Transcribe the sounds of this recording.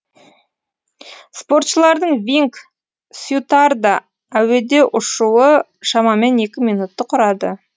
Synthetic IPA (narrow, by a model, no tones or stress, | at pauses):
spo̞ɾt̪ʃəlˠɑɾd̪əɴvʲiŋk | sjut̪ard̪a | æwe̞d̪e̞ʔʊʃuwə | ʃɑmɑme̞ne̞kʲɪmijnut̪ːəqʰʊɾɑd̪ə